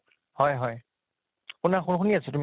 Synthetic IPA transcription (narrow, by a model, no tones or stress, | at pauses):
hɔjɦɔj | unaxunxʰʊniasɛtum